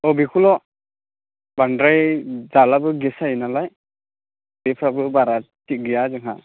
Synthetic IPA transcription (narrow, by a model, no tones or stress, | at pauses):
ɔbikʰulɔ | bandɾajzalabɯɡɛsajnalaj | bipʰɾabɯbaɾatiɡijazɯŋɦa